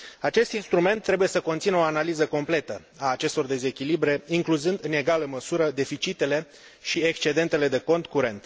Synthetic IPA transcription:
at͡ʃe̞st̪inst̪ɾume̞nt̪ːɾe̞buje̞səko̞nt̪sinoanalizəko̞mple̞t̪ə | aːt͡ʃe̞st̪o̞rd̪e̞ze̞kʲilibɾe̞iŋkluzɨnd̪ɨne̞ɡaləməsuɾəd̪e̞fit͡ʃit̪e̞le̞ | ʃiekst͡ʃed̪e̞nt̪e̞le̞d̪e̞ko̞nt̪kuɾe̞nt̪

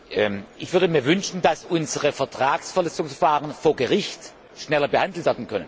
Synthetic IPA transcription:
ʔɛmʔɪçv̥ʏɐdəmiːɐvʏnʃn̩d̥asʔʊnzəʁəfɛɐtʁ̥aːksfɛɐlɛt͡sʊŋsfɐfaːʁənfoːɐɡəʁɪçt | ʃnɛlɐbəhandl̩tv̥ɛɐdn̩kʰœnən

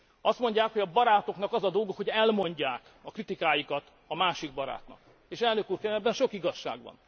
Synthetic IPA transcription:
ɒst̪mo̞ɲɟaːkhoɒbɒɾaːt̪o̞knɒkɒzɒd̪olɡokho̞ɟɛlmo̞ɲɟaːk | ɒkrit̪ikaːjikɒt̪ | ɒmaːʃiɡ̚bɒɾa̰ːt̪nɒ̰k | eːʃɛlnøkuːrkɛɛbːɛnʃo̞kiɡɒʃːa̰ːɡʋɒ̰n

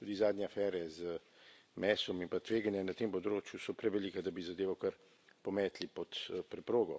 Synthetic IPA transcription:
t̪uːd̪izaːd̪nʲjɛafɛɾɛzə | mɛːsɔmimpat̪ʋeːɡanjɛnat̪eːmpɔd̪ɾoːt͡ʃjusɔpɾɛʋɛliːkad̪abizad̪eːʋawkɐɾ | pɔmɛːt̪lipɔt̪pɾɛpɾoːɡɔ

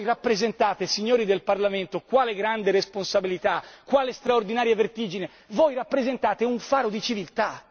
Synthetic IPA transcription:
jrapːɾezent̪aːt̪esiɲːoːɾid̪elparlament̪okwaːleɡɾand̪eɾesponsabilit̪akːwaːlest̪ɾaord̪inaːɾjevert̪iːd͡ʒine | vojrapːɾezent̪aːt̪euɱfaːɾod̪it͡ʃivilt̪a

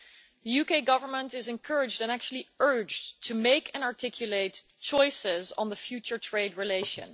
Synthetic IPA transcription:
ðəjukeɪɡʌvə˞mə̃ntɪzɨ̃nkʰɜɹɪd͡ʒdɨ̃næk̚t͡ʃul̩ˠiɜ˞d͡ʒtʰumeɪkʰɨ̃nɑɹtʰɪkʰjɨleɪt | t͡ʃɔɪsɪz̃n̩ðəfjʉt͡ʃə˞tʰɹ̥eɪdɹileɪʃɨ̰̃n

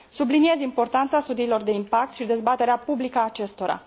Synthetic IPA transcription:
sublinie̞zimpo̞rt̪ant̪sast̪ud̪iːlo̞rd̪e̞impak̚t̪ʃid̪e̞zbat̪e̞ɾeapublikəːt͡ʃe̞st̪o̞ɾa̰

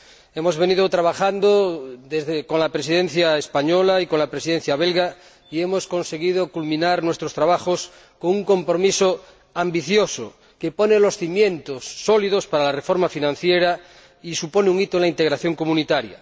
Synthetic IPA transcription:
emozβeniðot̪ɾaβ̞axand̪oðezðekonlapɾes̬iðenθjaespaɲolaikonlapɾesiðen̟θjaβelɣa | iemosko̞nse̞ɣiðokulmĩnaɾnwe̞st̪ɾost̪ɾaβ̞axos | koŋuŋko̞mpɾomiso | ambiθjoso | keponelo̞sθimje̞nt̪osːolið̞ospaɾalarefoɾmafinãn̟θjeɾa | isupo̞neuŋit̪olaint̪eɣɾaθjoŋkomũnit̪aɾja̰

